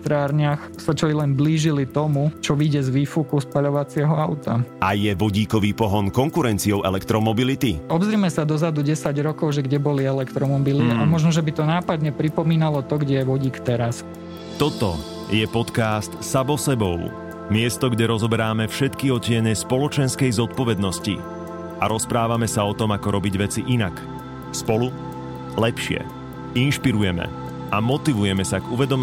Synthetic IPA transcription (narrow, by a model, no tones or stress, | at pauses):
t̪ɾaːɾɲɪax | sat͡ʃɔilɛnbliːʒilit̪ɔmut͡ʃɔʋiɟɛzʋiːfukuspaʎɔʋat͡sɪɛɦɔaʊt̪aajɛʋɔɟiːkɔʋiːpɔɦɔnkɔŋkuɾɛnt͡siɔʊʔɛlɛkt̪ɾɔmɔbilit̪iɔbzɾiːmɛsad̪ɔzad̪uɟɛsaɟɾɔkɔʊʒɛɡɟɛbɔliɛlɛkt̪ɾɔmɔbiliamɔʒnɔʒɛbit̪ɔnaːpad̪ɲɛpɾipɔmiːnalɔt̪ɔɡɟɛjɛʋɔɟiːkt̪ɛɾas | t̪ɔt̪ɔ | jɛpɔt̪kaːst̪samɔsɛbɔʊ | mɪɛst̪ɔɡɟɛɾɔzɔbɛɾaːmɛfʃɛt̪kiɔcɪɛnɛspɔlɔt͡ʃɛnskɛjzɔt̪̚pɔʋɛd̪nɔscḭ | aɾɔspɾaːʋamɛsaɔt̪ɔmakɔɾɔbiɟʋɛt͡siʔinak | spɔlu | lɛpʃɪɛ̰ | inʃpiɾujɛmɛ̰ | amɔt̪iʋujɛmɛsaɡuʋɛd̪ɔm